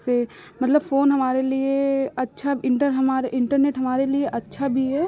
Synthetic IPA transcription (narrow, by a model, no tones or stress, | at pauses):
se | mɐt̪ləbfoːnɦɐmaːɾelieɐtːʃʰabɪ̃ɳʈəɾɦɐmaːɾeʔɪ̃ɳʈəɾneːʈɦɐmaːɾelieʔɐtːʃʰabʱiɦɛː